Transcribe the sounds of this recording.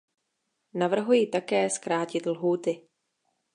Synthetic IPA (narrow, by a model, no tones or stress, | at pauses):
navr̩ɦujiːt̪akɛːskɾaːcɪt̪lɦuːt̪ɪ